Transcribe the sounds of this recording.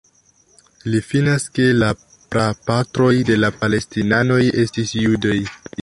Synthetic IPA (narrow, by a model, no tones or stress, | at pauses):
lifinaske̞la | pɾapatɾo̞jde̞lapale̞stinano̞je̞stisjudaj